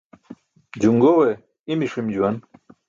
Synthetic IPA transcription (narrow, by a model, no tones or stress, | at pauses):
d͡ʑuŋɡowe | imiʂimd͡ʑuwan